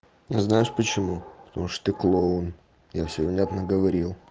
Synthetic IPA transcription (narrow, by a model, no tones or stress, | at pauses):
jaznajɪʂpət͡ɕɪmupə̥t̪ɐmuʂt̪ə̥t̪ɨklˠon | jafsʲɪbʲvnʲat̪nəɡəvɐɾʲilˠ